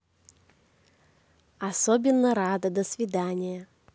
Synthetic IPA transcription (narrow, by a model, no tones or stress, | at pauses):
ɐsobʲɪnːəɾad̪əd̪əsvʲɪd̪anʲɪjə